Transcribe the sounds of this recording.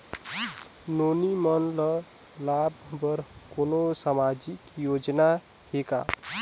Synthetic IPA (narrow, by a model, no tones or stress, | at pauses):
nonimənlə | labʱbəɾkonosamad͡ʒikjod͡ʒna | heka̰